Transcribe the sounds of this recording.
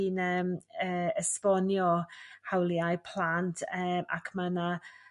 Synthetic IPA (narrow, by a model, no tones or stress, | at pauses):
inəməːəsvɔnjɔhawljajpʰlˠantʰəma̰kʰmana